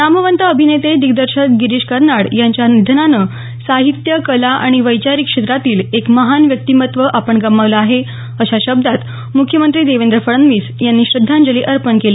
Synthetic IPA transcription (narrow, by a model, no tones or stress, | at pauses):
naməʋənt̪əːbʱinet̪ed̪iɡd̪əɾɕət̪̚ɡiɾiɕkəɾnaɽjaɲt͡ɕjanid̪ʱnanəː | saɦit̪jəkəlaʔa̰ɽ̃iʋəjt͡ɕaɾikʂet̪ɾat̪iːlekməɦanʋjək̚t̪iːmət̪ʋəʔapəɳɡəmːaʋləaɦe | əɕaɕəb̚d̪ʱat̪ | mukʰjəmənt̪ɾiːd̪eʋend̪ɾəfəɭənʋiːsjanːiːɕɾəd̪ʱːãnd͡ʑəliːʔəɾpəɳkela